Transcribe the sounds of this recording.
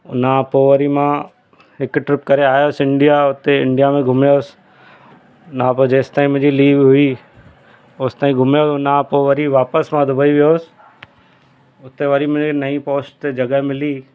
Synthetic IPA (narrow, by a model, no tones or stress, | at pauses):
ʊ̰nãpoːʋəɾimã | ɦɪkʈɾɪpkɐɾeaːjoːsɪ̃ɳɖijaʊt̪eɪ̰̃ɳɖijamẽɡʱʊmjoːsɪ̥ | ʊnãpod͡ʑeːst̪aːɦĩmʊ̃ɦd͡ʑiliːʋɦʊi | oːst̪aːĩɡʱʊmjoːʊnãpoʋɐɾiʋaːpəsmãd̪ʱʊbʱəiʋijoːsɪ̥ | ʊt̪eʋɐɾimʊ̃inɐĩpoːst̪ed͡ʑɐɡəɦemɪliː